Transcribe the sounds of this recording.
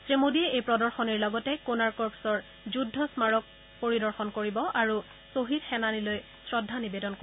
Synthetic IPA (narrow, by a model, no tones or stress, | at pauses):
sɹemodiɛʔejpɹɔdɔɹxɔniɹlɔɡɔtɛkonaɹkɔɹpsɔɹ | zudʱːɔsmaɹɔk̚ | poɹidɔɹxɔnkoɹibɔʔaɹu | soɦidxɛnaniloj | sɹɔdʱːanibedɔnko